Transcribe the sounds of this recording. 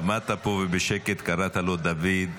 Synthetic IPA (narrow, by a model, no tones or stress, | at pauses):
amat̪apo̞vebeʃeket̪kaɾat̪alo̞d̪avid̪